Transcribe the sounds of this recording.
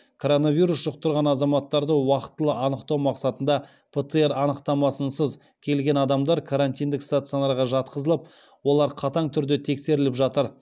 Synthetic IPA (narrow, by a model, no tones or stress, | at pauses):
kʰo̞ɾo̞navijɾusʒ̥ʊq̚t̪əɾʁɑnɑzɑmɑt̪ːɑɾd̪əwɑqə̥t̪ːəlˠəʔɑnəqt̪ɑwmɑqsɑt̪ənd̪ɑ | pʰet̪əeɾɑnəqt̪ɑmɑsənsəz | kʲʰe̞lɡʲe̞nɑd̪ɑmd̪ɑɾkʰaɾanʲt̪ʲijnd̪ɪkst̪at̪sɨolɑɾʁɑʒɑt̪qəzəlˠəp̚ | wo̞lˠɑɾqʰɑt̪ɑɴt̪ʰʏɾd̪e̞t̪ʰe̞kse̞ɾɪlɪpʒɑt̪əɾ